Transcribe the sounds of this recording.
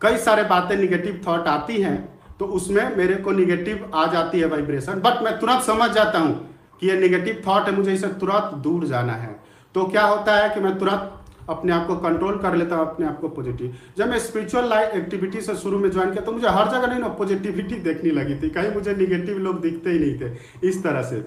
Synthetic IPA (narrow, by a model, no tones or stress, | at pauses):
kəisaɾebat̪ẽneɡeʈibt̪ʰɔʈat̪iɦɛ̃ | t̪oʊsmẽmeɾekoneɡeʈibad͡ʒat̪iɦɛʋaɪbɾesənbəʈmɛ̃t̪uɾə̃nt̪səməd͡ʒʱd͡ʒat̪aɦũ | kijeneɡeʈibt̪ʰɔʈɦɛmʊd͡ʒʱeisẽt̪uɾə̃nt̪d̪uɾd͡ʒa̰na̰ɦɛ̰ | t̪okjaɦot̪aɦɛkimɛ̃t̪uɾə̃nt̪əpneaːp̚kokəɳʈɾoːlkəɾlet̪aɦũəpneaːp̚kopod͡ʒiʈiʋd͡ʒəbmẽspiɾit͡ʃuəlːaɪfek̚ʈibiʈisẽʃuɾumẽd͡ʒɔɪnket̪omʊd͡ʒʱeɦɐɾd͡ʒəɡənəinopod͡ʒiʈibiʈid̪ekʰniləɡit̪ikaːɦĩmʊd͡ʒʱeneɡeʈibloːɡd̪ɪkʰt̪eɦinɐɦĩt̪ʰe | ɪst̪əɾəsḛ